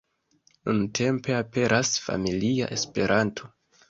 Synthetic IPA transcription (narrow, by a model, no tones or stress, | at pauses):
nuntʰe̞mpe̞ape̞ɾʔasfa̰milia̰ʔe̞spe̞ɾʔantʰo̞